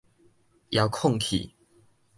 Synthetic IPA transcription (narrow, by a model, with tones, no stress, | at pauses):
ja˨˦ʊkʰʊ˥˨ŋk̪ʰḭ˨˩